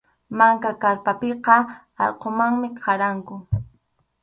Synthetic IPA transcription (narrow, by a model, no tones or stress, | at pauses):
maŋkakaɾpapeqɑ | ɑ̰lqomaŋmɪqʰɑɾaŋkʊ